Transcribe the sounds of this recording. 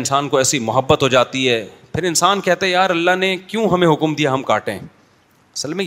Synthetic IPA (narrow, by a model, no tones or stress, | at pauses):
nsaːnkoɛːsimʊɦəbːət̪ɦod͡ʒaːt̪iɦɛːpʰɪɾɪnsaːnkɛɦt̪aɦɛ̃jaːɾɐlːaɦnekjũɦɐmẽɦʊkmd̪ijaɦɐmkaːʈḛ̃ | ɐsəlmẽ